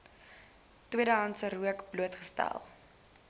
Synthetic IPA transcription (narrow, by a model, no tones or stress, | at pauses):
twiəɾəɦɐntsəɾuəkbluətχə̥stæ̰lˠ